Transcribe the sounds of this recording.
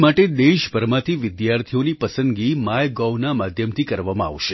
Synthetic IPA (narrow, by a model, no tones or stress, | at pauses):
maʈed̪eʃbəɾmãt̪ʰiʋɪd̪jaɾt̪ʰijonipəsənɡimajɡawnamad̪ʱjəmt̪ʰikəɾʋamãa̰ʋʃe